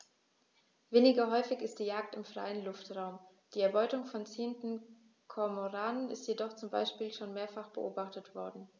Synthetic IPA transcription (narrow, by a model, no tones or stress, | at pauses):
veːnɪɡɐɦɔʏfɪçɪst̚d̥iːjaːk̚tɪmfʁ̥a̰ɪənlʊftʁ̥aʊm | d̥iːɛɐbɔʏtʊŋfɔnt͡seːəntn̩ | kʰɔɐmoʁaːnənɪstjedɔχt͡sʊmba̰ɪʃpiːlʃoːnmeːɐfaχb̥əʔoːbaχtətv̥ɔɐdn̩